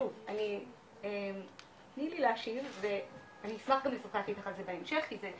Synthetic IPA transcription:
uvani | em | t̪nilileaʃivve̞ | aniismaχɡamlesḁχekit̪aχalzebaemʃe̞χkize

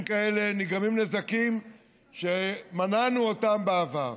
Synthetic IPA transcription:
mkaele̞niɡamimnezakim | ʃemananuotambeavaʁ

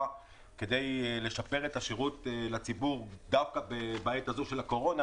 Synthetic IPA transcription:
a | ke̞de̞jle̞ʃape̞ʁe̞taʃiʁutlat͡sibuʁd̪afkabebaːjetazuʃe̞lako̞ʁo̞na

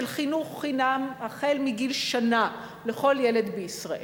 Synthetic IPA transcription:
elχinuχːinamaχelmiɡilʃana | leχo̞ljele̞d̪beisʁaʔe

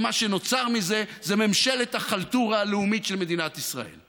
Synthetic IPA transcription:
maʃeno̞t͡saʁmize̞zememʃelet̪akalt̪uʁaːleumitʃelme̞d̪inat̪isʁa̰ʔḛl

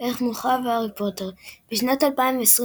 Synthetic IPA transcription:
ʔeχmuχavaʁipoteʁb̥eʃnatalpaĩmveːsʁ

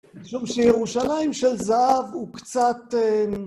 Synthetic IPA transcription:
miʃumʃejeʁuʃalaimʃelzaʔavhukt͡sat̪e

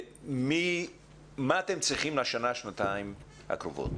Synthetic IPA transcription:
mi | maat̪emt͡sʁiχimlaʃanaʃnat̪aim | ha̰kʁovo̰t̪

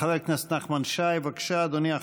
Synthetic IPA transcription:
avelknast̪naχmanʃajvakʃad̪onia

